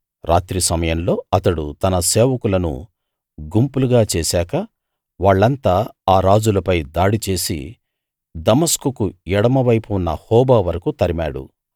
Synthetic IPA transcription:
ɾʔaːt̪ɾisɐmɐjɐnlo̞ːɐt̪ɐɽut̪ɐnɐseːʋɐkulɐnṵ | ɡumpuluɡaːt͡ʃeːsaːkɐ | ʋaːɭːɐnt̪aːaːɾaːd͡ʒulɐpɐjd̪aːɽit͡ʃe̞ːsḭ | d̪ɐmɐskukuɛɽɐmɐʋɐjpunːɐ̰hɔːbaːʋɐɾɐkut̪ɐɾimaːɽṵ

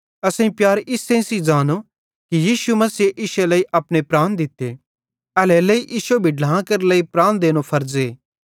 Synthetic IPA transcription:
ɐsãĩpjaːɾɪsẽːsid͡ʒaːno | kijiːsumɐsieʔɪʃelɐiʔɐpɽepɾaːnd̪ɪt̪ːe | ɐlɛləiʔɪʃobʱiɖlãːkɐɾləipɾaːnd̪eːñopʰɐɾd͡ʒeː

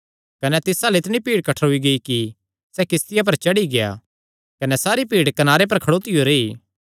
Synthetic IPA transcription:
kɐnɛt̪ɪsaːlɪt̪ɽ̃ipiːɽkɐʈʰɦʊiɡɐiki | sɛkɪst̪ɪjap̬ɐɾt͡ʃɐɽiɡeja̰ | kɐnɛsaːɾipiːɽkɐnaːɾep̬ɐɾkʰɐɽoːt̪ɪjoɾeiː

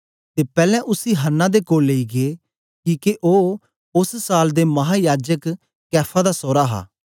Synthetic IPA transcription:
t̪eːpɛːlɛ̃ʔʊsiɦənːãːd̪eːkoːlːeiɡeː | kiːkeʔoː | ʊssaːld̪eːmɐɦaːjaːd͡ʒək | kɛːpʰãd̪asɔːɾaːɦa̰ː

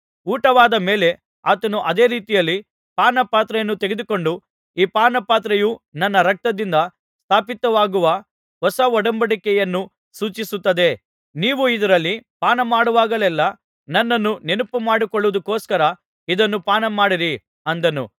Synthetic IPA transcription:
uːʈɐʋaːd̪ɐme̞ːle̞ | aːt̪ɐnuʔɐd̪e̞ːɾiːt̪ijɐlːi | paːnɐpaːt̪ɾɐjɐnːut̪eɡed̪uko̞ɳɖu | iːpaːnɐpaːt̪̬ɾɐjunɐnːɐɾɐk̚t̪ɐd̪ind̪ɐ | st̪ʰaːpit̪ɐʋaːɡuʋɐ | ɦɔsɐɔɽɐmbɐɽikɛjɐnːu | suːt͡ʃisut̪ːɐd̪e̞ | niːʋuid̪ɐɾɐlːipaːnɐmaːɽuʋaːɡɐlɛlːɐ | nɐnːɐnːunenupumaːɽikɔɭːuʋud̪ukːoːskɐɾɐ | id̪ɐnːupaːnɐmaːɽiɾi | ɐnd̪ɐnṵ

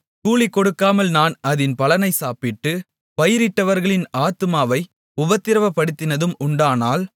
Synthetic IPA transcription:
kuːɭɪkːɔɽɯkːaːmɐlnaːnɐðɪnpɐlɐnɐɪsaːpɪʈːɯ | pɐjɪɾɪʈːɐʋɐɾɣɐɭɪnaːt̪ɯmaːʋɐɪ | ʊbɐt̪ːɪɾɐʋɐpːɐɽɯt̪ːɪnɐðɯmʊɳɖaːnaːl

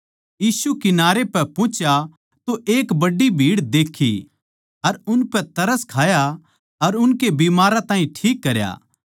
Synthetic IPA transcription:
jiːsukɪnaːɾepɛpõːt͡ʃja | t̪oʔeːkbɐɖibʱiːɽd̪eːkʰḭ | ɐɾʊnpɛt̪ɐɾəskʰaːja | ɐɾʊnkebiːmaːɾat̪ãːĩʈʰiːkːɐɾja̰ː

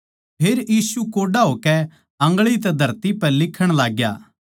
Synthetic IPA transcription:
pʰeːɾjiːsukoːɖaɦoːkɛ | ɐ̃ŋɡɭit̪ɛd̪ʱɐɾt̪ipɛlɪkʰːəɽ̃laːɡja̰ː

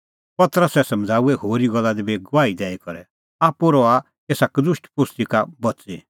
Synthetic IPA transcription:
pɐt̪əɾəsɛsɐ̃md͡zʱaːuɛhoːɾiɡɔlːad̪ibeɡʊʋaːid̪ɛːikɔɾɛ | aːpuɾɔa | kesakd̪ʊʃʈpʊst̪ikabɐt͡se

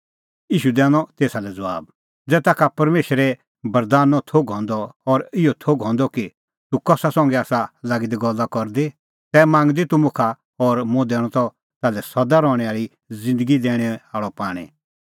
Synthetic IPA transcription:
jiːʃud̪ɛːɽ̃ɔt̪eːsalɛd͡zɐʋa̰ːb | d͡zɛːt̪aːkʰapɐɾmeːʃɾɛ | bɐɾd̪aːnːɔt̪ʰoɡɦɔ̃nd̪ɔːɾɪɔt̪ʰoɡɦɔ̃nd̪ɔki | t̪ukɔsasɔ̃ŋɡɛaːsalaɡid̪iɡɔlːakɔɾd̪e | t̪ɛːmãːŋɡd̪it̪ʊmʊkʰa | ɔɾmʊ̃d̪ɛːɽ̃ɔ̃t̪ɔ | t̪aːlɛsɐd̪aɾɔːɽ̃ɛaːɭi | zɪ̃nd̪əɡid̪ɛːɽ̃ɛaːɭɔpaːɽ̃ɛ̰

